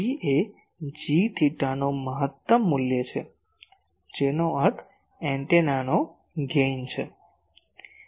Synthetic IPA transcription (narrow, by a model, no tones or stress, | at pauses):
iʔe | d͡ʒiʈʰiʈanoməɦət̪ːəmːuljət͡ʃʰe | d͡ʒenoəɾt̪ʰ | ɛ̃ɳʈenano | ɡent͡ʃʰe